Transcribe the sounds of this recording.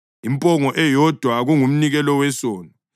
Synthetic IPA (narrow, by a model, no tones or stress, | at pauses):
impʼɔŋɔʔɛjɔd̥ʱwaɣuŋum̩niɣɛlɔwɛsoːni